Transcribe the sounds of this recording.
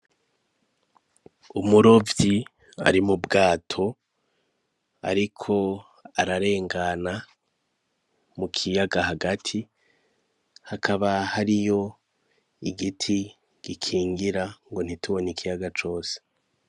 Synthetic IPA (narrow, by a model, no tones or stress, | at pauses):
umuɾo̞vji | a̰ɾimubɡaːtʰo̞ | a̰ɾikʰo̞ | aɾaɾe̞ːŋɡana | mukʰijaɡaɦaɡatʰi | hakʰaβahaɾijo̞ | iɡitʰi | ɡ̥ikʰiːŋɡiɾaŋɡo̞n̥itʰuβonikʰijaɡat͡ʃo̞ːse̥